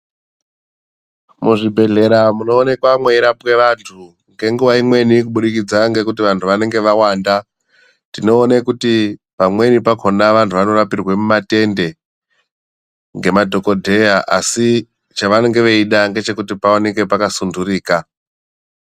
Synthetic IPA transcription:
muʐibʱe̞ɮe̞ɾamuno̞ːne̞kwamwe̞iɾapwe̞ʋantʰu | ŋɡe̞ŋɡuʋaimwe̞nikuɓuɗikid͡zaŋɡe̞kutiʋantʰuʋane̞ŋɡe̞ʋawaːnda | tino̞ːnekuti | pamwe̞nipakʰonaʋantʰuʋano̞rapirwemumate̞nde̞ | ŋɡe̞madʱo̞ko̞dʱe̞jaʔa̰si | t͡ʃaʋane̞ŋɡe̞ʋeiɗaŋɡe̞t͡ʃe̞kutipaone̞ke̞pakasunduriːka

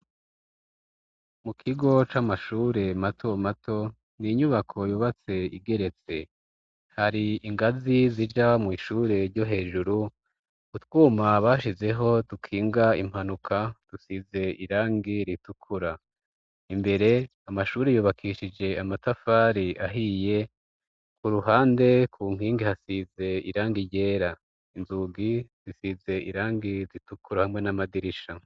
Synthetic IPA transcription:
mukʰiɡo̞t͡ʃaːmaʃuːɾe̞matʰo̞matʰo̞ | niɲuβakʰo̞juːβat͡se̞ḭɡe̞ɾe̞t͡se̞ | haɾiiŋɡazizid͡ʒamŋiːʃuːɾe̞ɾɟo̞ɦe̞ːʒuɾu | utwuːmaβaːʃize̞ɦo̞dukʰiːŋɡaim̥hanukʰad̥usize̞ʔiɾaːŋɡiɾitukʰuɾa | imbe̞ɾe̞ | amaʃuːɾejuːβakʰiʃid͡ʒe̞amatafaːɾiʔaɦije̞ | kuɾuɦaːnde̞kʰuːŋ̥hiːŋɡihasize̞iɾaːŋɡiɟe̞ːɾa | inzuɡiz̥isize̞ʔiɾaːŋɡizitukuɾahamŋe̞namadiɾiʃa

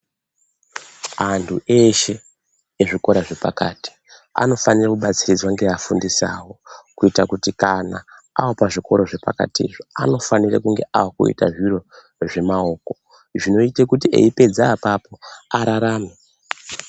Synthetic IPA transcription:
antʰuʔe̞ʃe̞ː | ʐiko̞ɾaʐe̞pa̰kaːti̥ | a̰no̞fanirakuɓat͡sirid͡zwaŋɡeafundisa̰ːwo̞kuitakutikana | awopaʐiko̞ɾoʐe̞pa̰ka̰tiḭʐoa̰no̞fanirakuŋɡe̞ʔaokṵḭtaʐiro̞ | ʐe̞mao̞ːko̞ | ʐino̞itekutiʔe̞̰ipe̞d͡zaːpapo̞aɾaɾaːme

